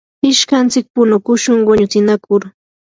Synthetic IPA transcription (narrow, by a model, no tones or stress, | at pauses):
ɪʃkant͡sɪk̚pʊnʊkʊʃʊŋwoɲʊt͡sɪnakʊɾ